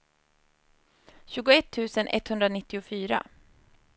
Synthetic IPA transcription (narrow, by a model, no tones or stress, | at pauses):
ɕʉːɡʊɛt̪ʰːʉ̟ːsənʔɛ̰t̪ːhɵnd̪ɾanɪt̪ːɪʊfyːɾa̰